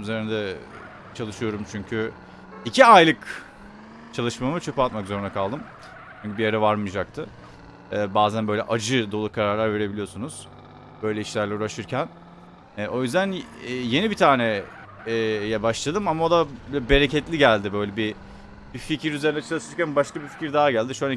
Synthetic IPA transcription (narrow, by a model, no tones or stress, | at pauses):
yze̞ɾinɛd̪ɛ | t͡ʃʰalˠɯʃɯjo̞ɾumt͡ʃʰyɲcʰy | icʰiajlˠɯk | t͡ʃʰalˠɯʃmamɯt͡ʃʰø̞pʰat̪makzo̞ɾunakʰalˠd̪ɯm | t͡ʃʰyɲcʰybijaɾavaɾmɯd͡ʒak̚t̪ʰɯ | ɛːbaːzænbø̞jlʲɛ̰ʔad͡ʒɯd̪o̞lˠukʰaɾaɾlʲˠaɾve̞ɾe̞bilʲijo̞sunuz̥ | b̥ø̞jlʲɛiʃlʲæɾlʲɛuɾaʃɯɾcʰæn | ɛʔo̞jyzd̪ænːje̞nibit̪ʰaːnɛː | jɛbaʃlˠad̪ɯmamao̞d̪abɛbe̞ɾecɛt̪lʲiɟælʲd̪ɪbø̞jlʲɛbi | bificiɾyze̞ɾinɛt͡ʃʰalˠɯʃɯɾcænbaʃkabifi̥ciɾd̪aːaɟælʲd̪iʃuan